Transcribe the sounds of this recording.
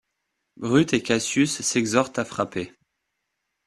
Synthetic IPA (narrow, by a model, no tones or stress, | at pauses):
bʁyt̪ekʲasysːɛɡzɔʁt̪afχape